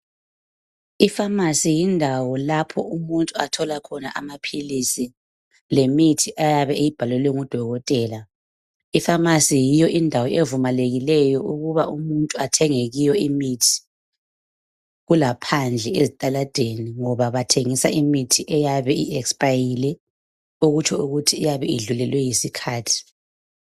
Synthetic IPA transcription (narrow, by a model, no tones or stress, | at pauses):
ifamasijindʱawɔlapʰɔumuntʼuatʰɔlakʰɔnaʔamapʰilisi | lemitʰiʔajaβɛejib̥ʱalɛlwɛŋud̥ʱɔɣɔtʼɛːla | ifamasijijɔʔindʱawɔʔevumaleɣilɛjɔʔuɣuβaʔumuntʼuatʰɛŋeɣijɔimitʰi̥ | ɣulapʰand͡ɮʱɛezitʼalad̥ʱeniŋɔβaβatʰeŋisaʔimitʰiʔɛjaβɛiɛkspʼajilɛ | uɣut͡ʃʰɔuɣutʰiːjaβɛiɮulɛlwɛjisikʰaːtʰi̥